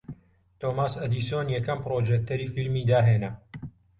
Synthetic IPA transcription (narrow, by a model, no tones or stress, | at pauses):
t̪oːmaːsɐd̪iːsionjɛkɐmpɾoːd͡ʒɛk̚t̪ɐɾiːfilmiːd̪aːɦeːnɐ